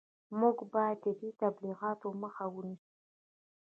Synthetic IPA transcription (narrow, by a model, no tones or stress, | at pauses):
muɡbɑjad̪̚d̪əb̪it̪abliɣɑt̪oməxawənisu̥